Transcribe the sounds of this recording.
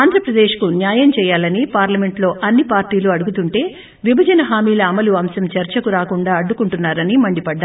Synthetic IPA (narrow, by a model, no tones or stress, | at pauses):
aːnd̪ʱɾɐpɾɐd̪eːʂkunjaːjɐmt͡ʃɛːjaːlɐnipaːɾlɐme̞ɳʈlo̞ːʔɐnːipaːɾʈiːluɐɽuɡut̪uɳʈe̞ː | ʋibʱɐd͡ʒɐnɐɦaːmiːlɐːmɐluɐmsɐmt͡ʃɐɾt͡ʃɐkuɾaːkuɳɖaːɐɖːukuɳʈunːaːɾɐnimɐɳɖipɐɖːa